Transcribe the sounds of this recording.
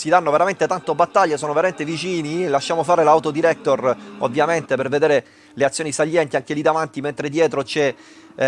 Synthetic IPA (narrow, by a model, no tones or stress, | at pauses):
sid̪anːoveɾament̪et̪ant̪obat̪ːaʎːesoːnoveɾament̪evit͡ʃiːnilaʃːaːmofaːɾelawt̪od̪iɾɛk̚t̪orovːjament̪eperved̪eːɾe | leat̪sːjoːnisaʎːɛnt̪iaŋk̟elid̪avant̪iment̪ɾed̪jɛːt̪ɾot͡ʃɛ